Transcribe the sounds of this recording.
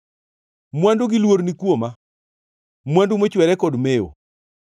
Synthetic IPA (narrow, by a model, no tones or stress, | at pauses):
mwandoɡilwoɾnikwoma | mwandumot͡ʃwɛɾɛkɔdmejo̰